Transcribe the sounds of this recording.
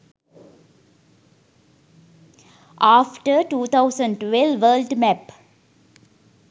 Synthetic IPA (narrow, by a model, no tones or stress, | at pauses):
ʔaːfʈəɾʈuːt̪ʰaʊsə̃ɳɖʈʋɛlʋəːlɖmæp